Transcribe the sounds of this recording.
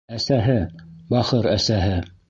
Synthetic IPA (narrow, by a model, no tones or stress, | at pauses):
æsæɦɘbɑχɤɾæsæɦɘ